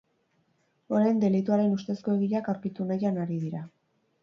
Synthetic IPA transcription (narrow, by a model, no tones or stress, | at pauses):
o̞ɾajnd̪e̞lit̪uaɾe̞nust̪e̞sko̞e̞ɣiʎakawɾkit̪unajanaɾiðiɾa